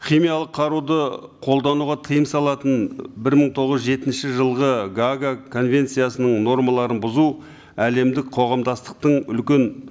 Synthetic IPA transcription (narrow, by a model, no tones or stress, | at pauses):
χʲimijɑlˠəqʰːɑɾud̪əqʰo̞lˠd̪ɑnuʁɑt̪ʰəjəmsɑlˠɑt̪ənbɪɾməɴt̪ʰo̞ʁəzʒe̞t̪ɪnʃɪʒəlˠʁəɡaɡakʰo̞nvʲe̞nt̪sijasənəɴno̞ɾmɑlˠɑɾənbʊzu | æle̞md̪ɪk̚qʰo̞ʁɑmd̪ɑst̪ə̥q̚t̪əɴʏlkʲe̞n